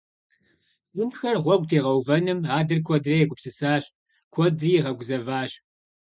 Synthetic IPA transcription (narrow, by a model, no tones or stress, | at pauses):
ɕʼʊnxɐrʁʷɔɡ̚ʷʼtʰeːʁɐwvɐnɨmaːdɨrkʷʰɔdrɐjɛɡʷʊpsɨsaːɕʼ | kʷʰɔdriːʁɐɡʷʊzɐvaːɕ